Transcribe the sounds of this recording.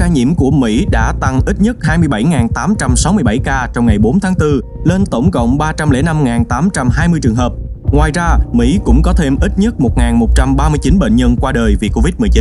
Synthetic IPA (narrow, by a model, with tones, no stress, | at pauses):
aː˧ɲḭ˧˨əmku˧˩əmḭ˧˥ɗa̰ː˧˥t̪a˧ŋʔi˦˥t̚ɲə˦˥t̚haː˧jmɨ˧əjɓa˧˩jŋaː˨˩nt̪aː˨˦mt͡ɕa˧msa˨˦wmɨ˧əjɓa˧˩jkaː˧t͡ɕɔ˧wŋ͡mŋa˨˩jɓo˨˦nt̪ʰaː˨˦ŋt̪ɨ˧le˧nt̪ə˧˩wŋ͡mkə̰˧˨wŋ͡mɓaː˧t͡ɕa˧mlḛ˧˥na˧mŋaː˨˩nt̪aː˨˦mt͡ɕa˧mɦaː˧jmɨ˧əjt͡ɕɨ˨˩əŋɦəː˨˩p̚ | ŋwaː˨˩jzaː˧mḭ˧˥kʊ̰˧˥ŋ͡mkɔ˨˦t̪ʰe˧mʔi˦˥t̚ɲə˦˥t̚mo˨˩t̚ŋaː˨˩nmo˨˩t̚t͡ɕa˧mɓaː˧mɨ˧əjt͡ɕi˨˦nɓḛ˧˨nɲə˧nkwaː˧ɗəː˨˩jvi˨˩ko˧vi˦˥t̚mɨ˨˩əjt͡ɕi˨˦n